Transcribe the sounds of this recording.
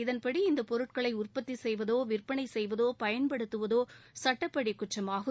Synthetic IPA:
ɪðɐnpɐɽiɪnd̪ɐpɔɾɯʈkɐɭɐɪʊrpɐt̪ːisɛjʋɐðoːʋɪrpɐɳɐɪsɛjʋɐðoːpɐjɐnpɐɽɯt̪ːɯʋɐðoːsɐʈːɐpːɐɽikːʊʈt͡ʃːɐmaːɣɯ

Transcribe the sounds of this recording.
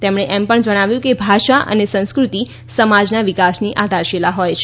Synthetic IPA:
t̪emɳ̃eʔɛmpəɳd͡ʒəɽ̃aʋjũkebʱaʃaʔə̰nesə̃nskɾut̪i | səmad͡ʒnaʋikasniʔad̪ʱaɾʃelaɦɔjt͡ʃʰ

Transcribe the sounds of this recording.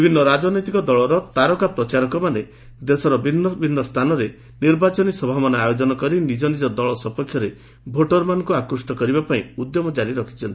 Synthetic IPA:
bibʱinːɔɾad͡ʒɔnɔjt̪ikɔd̪ɔɭɔɾɔt̪aɾɔkapɾɔt͡ʃaɾɔkɔmane | d̪esɔɾɔbinɔbʱinːɔst̪ʰanɔɾe | niɾbat͡ʃɔnisɔbʱamɔnɔajod͡ʒɔnɔkɔɾinid͡ʒɔnid͡ʒɔd̪ɔɭɔsɔpɔkʰjɔɾe | bʱoʈɔɾmanɔ̃ŋkuakɾusʈɔkɔɾibapaĩud̪jɔmɔd͡ʒaɾiɾɔkʰi̥t͡ʃʰɔnt̪i̥

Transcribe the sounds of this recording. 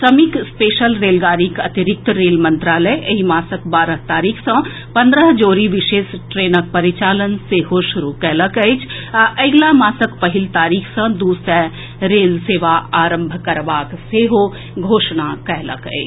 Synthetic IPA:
sɐmikspeːʃəlɾeːlɡaːɾikɐt̪ɪɾɪk̚t̪ɾeːlmɐ̃nt̪ɾaːləjɐɦimaːsəkbaːɾəɦt̪aːɾiːkʰsə̃ | pɐ̃nd̪ɾəɦd͡ʒoːɾiʋɪʃeːsʈɾeːnək̚pɐɾit͡ʃaːlənseːɦoʃʊɾukɛɦləkəjt͡ʃʰʔeɡlamaːsəkpɐɦɪlt̪aːɾiːkʰsə̃d̪uːsɛ | ɾeːlseːʋaaːɾə̃mbʱkɐɾʋaːkseːɦo | ɡʱoːʃnakɛɦlə̰kə̰t͡ʃ

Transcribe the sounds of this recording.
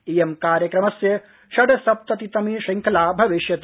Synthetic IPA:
ijemkaːɾjɐkɾɐmɐsjɐ | ʃɐɖɐsɐp̚t̪ɐt̪it̪ɐmiʃɐŋkʰɐlaːbʱɐʋiʃjɐt̪

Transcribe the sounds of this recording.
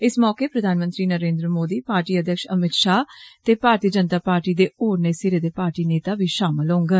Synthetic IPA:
ɪsmɔːkeːpɾəd̪ʱaːnmə̃nt̪ɾiːnəɾẽːnd̪ɾəmoːd̪iːpaːɾʈiːəd̪ʱjəkʃəmɪt̪ʃaːt̪eːpaːɾt̪iəd͡ʒənt̪aːpaːɾʈiːd̪eːoːɾneːsɪɾeːd̪eːpaːɾʈiːneːt̪aːʋiːʃaːmɪlɦõːŋɡə

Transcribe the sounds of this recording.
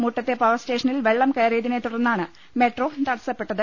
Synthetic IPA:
muʈːɐt̪ːe̞paːʋɐsteːʂɐnilʋe̞ɭːɐmkɐjɐɾejðinet̪ːuɽɐrnːaːɳɨ | me̞ʈro̞ːt̪ɐɽɐsɐpːe̞ʈːɐðɨ

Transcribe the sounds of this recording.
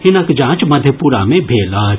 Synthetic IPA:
hɪnɐkd͡ʒãːt͡ʃmɐd̪ʱjəpuɾa̰mẽbʱeːlaː

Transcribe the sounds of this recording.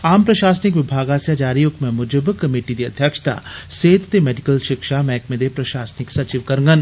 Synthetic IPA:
aːmpɾɐʃaːsnɪkʋɪbʱaːɡaːsjad͡ʒaːɾijokmɛ̃mʊd͡ʒəbkɐmiːʈid̪iɐd̪ʱjəkʂə̥t̪a̰ːseːt̪t̪emeɖikəlʃɪkʃamɛːkmẽd̪epɾɐʃaːsnɪksɐt͡ʃiʋkɐɾŋɡən

